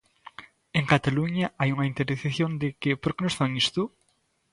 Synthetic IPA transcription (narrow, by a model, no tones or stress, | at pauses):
eŋkat̪aluɲaʔajuŋɐint̪eɾiθeθjõnd̪ɪkɪpoɾkenosfaŋist̪u